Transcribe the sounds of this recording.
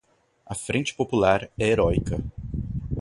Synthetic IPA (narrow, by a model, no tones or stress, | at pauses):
ɐfɾẽt͡ʃɪ̥populaɾɛeɾɔjkɐ